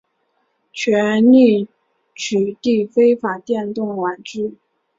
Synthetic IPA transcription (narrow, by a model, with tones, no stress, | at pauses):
t͡ɕʰɥɛ˧˥nli˥˩ | t͡ɕʰy˨˩t̪i˥˩fe˥ɪfa˨˩t̪jɛ˥˧nt̪ʊ˥˩ŋwa˨˩nʈ͡ʂɻ̩˥˩